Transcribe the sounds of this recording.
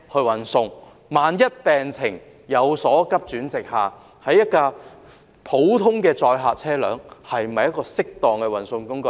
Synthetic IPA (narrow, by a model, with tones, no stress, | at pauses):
hɵ˧ɥwɐ˨˩nsʊ˧ŋ | maː˨˧njɐ˥t̚pɛː˨˩ŋt͡sʰɪ˨˩ŋ | jɐ˨˧wsɔː˨˥kɐ˥p̚t͡ʃyː˨˥nt͡sɪ˨k̚haː˨ | hɐ˨˥jːɐ˥t̚kaː˧ | pʰo˨˥wt̪ʰʊ˥ŋkɛː˧t͡sɔː˧jɦaː˨t̚t͡sʰɛː˥lœ̰ː˨˥ŋhɐ˨jm̩˨ɐ˨jɐ˥tkɔː˧sɪ˥k̚t̪ɔː˨˩ŋkɛː˧wɐ˨˩nsʊ˧ŋkʊ˥ŋkɵ˧